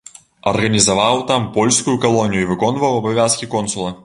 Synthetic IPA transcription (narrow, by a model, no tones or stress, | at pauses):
ɐrɣɐnʲizɐvawt̪ampɔlʲskʊjʊkɐlˠɔnʲijuivɨkɔnvɐwɐbɐvʲaskʲikɔnsʊlˠɐ